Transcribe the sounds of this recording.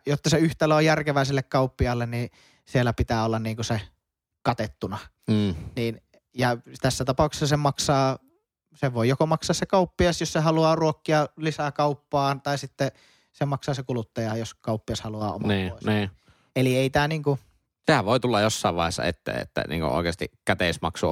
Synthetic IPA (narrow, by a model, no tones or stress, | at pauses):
jot̪ːɑseyht̪ælːæojjærkeʋæˑeselːekkɑˑupːiɑlːenni | sielːˑæpit̪æːolːɑnniːŋkuse | kɑt̪et̪ːunɑ | niːn | jɑt̪æsːæt̪ɑpɑˑukse̥sɑsemɑksɑː | seʋoˑijokomɑksɑːssekɑˑupːiɑˑsjossehɑluɑːruokːiɑlisækɑupːɑːnt̪ɑˑisit̪ːe | semɑksɑːsekulut̪ːɑjɑjoskɑˑupːiɑshɑluɑ̰ːo̰mɑniːoˑesniː | elieˑit̪æːniːŋku | sehæʋoˑit̪ulːɑjjosːɑˑeʋʋɑ̰ˑehˑesːɑ̰ḛt̪ːæ̰ḛt̪ːæ̰nḭːŋkṵʔo̰ˑekeːst̪ikæt̪eˑismɑ̰ksu